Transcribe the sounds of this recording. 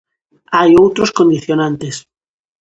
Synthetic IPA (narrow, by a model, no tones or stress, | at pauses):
ajowt̪ɾoskond̪iθjonãnt̪es